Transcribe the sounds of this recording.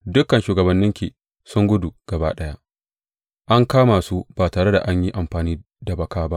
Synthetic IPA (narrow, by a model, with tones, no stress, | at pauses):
dʊ˦kɐ˨nʃuː˨ɡɐ˨bɐ˨nːɪ˦ŋkʲiː˨ | sʊ˦ŋɡʷʊ˦du˨ɡ̥ɐ˨ba̰ː˦ɗɐ˦ja˦ʔ | ʔa˦ŋkaː˦maː˨su˦b̥aː˨taː˨ɽe˦da̰˨ʔa˦ɲji˦ʔa˨mɸaː˨niː˦ | da˨bɐ˨kaː˦ba˦ʔ